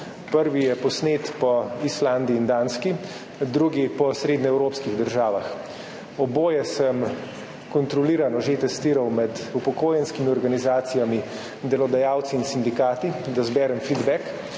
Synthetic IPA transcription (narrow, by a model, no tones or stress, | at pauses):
pəɾʋijɛpɔsneːt̪pɔisland̪iːnd̪aːnski | d̪ɾuɡipɔsɾeːd̪nɛɛwɾoːpskiɣd̪əɾʒaːʋax | ɔboːjɛsəm | kɔnt̪ɾɔliːɾanɔʒet̪ɛst̪iːɾawmɛd̪upɔkoːjɛnskimiɔɾɡanizaːt̪sijami | d̪ɛlɔd̪ajaːwt̪siːnsind̪ikaːt̪id̪azbɛːɾɛmfid̪bɛk